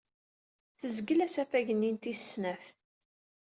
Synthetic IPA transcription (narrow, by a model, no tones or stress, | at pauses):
θəzɡəlæsæfæʝənːint̪issnæf